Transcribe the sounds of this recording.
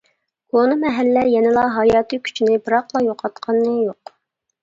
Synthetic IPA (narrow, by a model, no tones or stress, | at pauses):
konɨmɛɦælːɛjɛnɪlˠɑɦɑjɑːt̪ʰɨkʲʰy̥t͡ʃʰinɪbɨɾɑqlˠɑjoqʰɑt̪qʰɑnːɨjoq